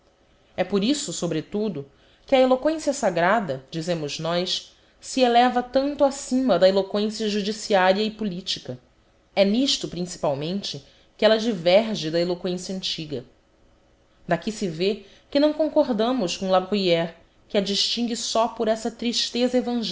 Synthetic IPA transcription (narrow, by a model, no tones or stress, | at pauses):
ɛpoɾisʊsobɾɪt̪ud̪ʊ | kɪɐelokwẽsiɐsaɡɾad̪ɐd͡ʒizẽmʊʒnɔjs | sielɛvɐt̪ɐ̃nt̪ʊasĩmɐd̪ɐelokwẽsiɐʒud͡ʒisiaɾjɐipulit͡ʃikɐ | ɛniʃt̪ʊpɾĩsi̥pawmẽnt͡ʃɪ | kɪɛlɐd͡ʒivɛɾʒɪd̪ɐelokwẽsijɐɐ̃nt͡ʃiɡɐ | d̪akisɪve | kɪnɐ̃w̃kõŋkoɦd̪ɐ̃mʊskõlabʁujɛɾ | kɪɐd͡ʒiʃt͡ʃĩŋɡisɔpʊɾɛsɐt̪ɾiʃt̪ezɐevɐ̃ʒ